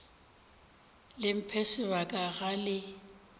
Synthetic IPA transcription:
lɪm̩pʰɛsɪwakʼaɣalɪ

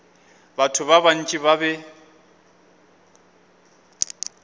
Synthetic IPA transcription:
batʰʊbaban̩t͡ʃʼibabɛ

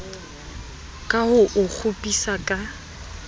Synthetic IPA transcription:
kʼahʊʔʊk͡xʰʊpʼisakʼa

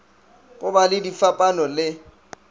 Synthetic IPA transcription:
ɣʊbalɪdifapʼanɔlɪ

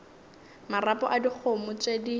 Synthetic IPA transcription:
marapʼɔ̰ʔadik͡xʰomʊt͡ʃʼedi

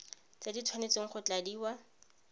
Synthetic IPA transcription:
t͡saditʰwanet͡seŋ̩χʊt͡ɬadiːwa

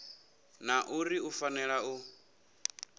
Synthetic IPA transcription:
naʔuɾiufanɛɺau

